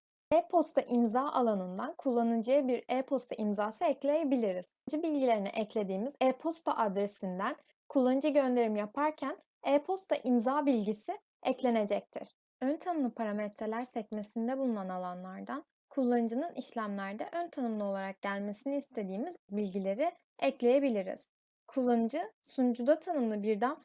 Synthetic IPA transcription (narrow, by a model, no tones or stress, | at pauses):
ɛpʰo̞st̪ʰaʔimzaːʔalˠanɯnd̪ankʰulˠːanɯd͡ʒɯjabiɾɛpʰo̞st̪ʰaʔimzaːsɯɛclʲejebilʲiɾiz̥d͡ʒɯbilʲɟilʲe̞ɾinḭʔɛclʲe̞d̪iːmizɛpʰo̞st̪ʰaʔad̪ɾe̞sind̪æn | kʰulˠːanɯd͡ʒɯɟø̞nd̪e̞ɾimjapʰaɾcʰæn | eɛːpʰo̞st̪ʰaʔimzaːbilʲɟisi | ɛclʲe̞ne̞d͡ʒɛc̚t̪ʰḭɾ̥ | ønt̪ʰanɯmlˠɯpʰaɾamɛt̪ʰɾe̞lʲæɾsɛc̚mesind̪ɛbulˠunanalˠanlˠaɾd̪an | kʰulˠːand͡ʒɯnɯnʔiʃlʲæmlʲæɾd̪ɛʔønt̪ʰanɯmlˠɯo̞lˠaɾak̚ɟælʲme̞siniːst̪ʰe̞d̪iːmizbilʲɟilʲe̞ɾi | ɛclʲe̞je̞bilʲiɾḭz̥ | kʰulˠːand͡ʒɯsund͡ʒud̪at̪ʰanɯmlˠɯbiɾd̪æn